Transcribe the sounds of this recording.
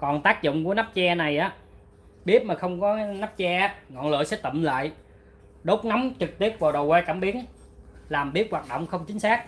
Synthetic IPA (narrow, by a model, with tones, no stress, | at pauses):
kɔ˨˩nt̪aː˦˥k̚zʊ̰˧˨ŋ͡mku˧˩əna˦˥p̚t͡ɕɛ˧na˨˩jʔaː˨˦ | ɓi˦˥əp̚maː˨˩xə˧wŋ͡mkɔ˨˦na˦˥p̚t͡ɕɛ˧ʔaː˦˥ŋɔ̰˧˨nlə̰ː˧˨jsɛ̰˧˥t̪ə̰˧˨mla̰ː˧˨j | ɗo˦˥t̚na˨˦mt͡ɕɨ˨˩k̚t̪i˦˥ət̚vaː˨˩wɗə˨˩wkwɛː˧kaː˧˩mɓi˨˦˥ən | laː˨˩mɓi˦˥ət̚waː˨˩t̚ɗo̰˧˨wŋ͡mxə˧wŋ͡mt͡ɕï˨˦ŋ̟saː˦˥k̚